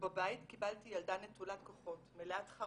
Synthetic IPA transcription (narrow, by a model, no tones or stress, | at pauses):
babaittkibaltijaldanetulatkoχo̞tmeleatχa